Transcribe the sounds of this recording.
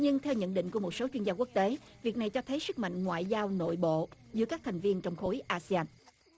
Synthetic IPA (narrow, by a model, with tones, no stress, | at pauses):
ɲɨ˧ŋt̪ʰɛ˧wɲə̰˧˨nɗḭ̈˧˨ŋ̟ku˧˩əo˨˩t̚so˨˦t͡ɕwi˧ənzaː˧ku˦˥ək̚t̪e˨˦vi˨˩ək̚na˨˩jt͡ɕɔ˧t̪ʰə˨˦jsɨ˦˥k̚ma̰˧˨ŋ̟ŋwa̰ː˧˨jzaː˧wno̰˧˨jɓo̰˧˨zɨ˨˦˥kaː˦˥k̚t̪ʰjŋ̟vi˧ənt͡ɕɔ˧wŋ͡mxo˨˦jʔaː˧si˧aː˧n